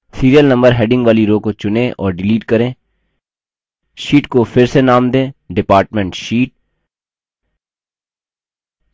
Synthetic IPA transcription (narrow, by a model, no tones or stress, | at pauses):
siːɾijəlnɐ̃mbəɾɦɛːɖɪ̃ŋɡʋaːliɾoːkot͡ʃʊnẽʔɔːɾɖɪliːʈkɐɾẽː | ʃiːʈkofʰɪɾsenaːmd̪ẽːɖɪpaːɾʈmɛ̃ɳʈʃiːʈ̚